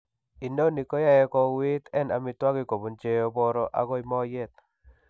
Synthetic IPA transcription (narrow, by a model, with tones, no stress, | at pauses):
i˨no˦ni˨ko˦ja˦jɛ˦kɔ˦wiɪ˦t̪ɛ˦na˨mɪ˨twa˦ɡɪ˦ko˨bo˨nt͡ʃe˦o˦bɔ˦ɾɔ˦ʔa̰˨ɡɔ˦ɪ˨˦mɔ˦jɛ˦˨t̪̚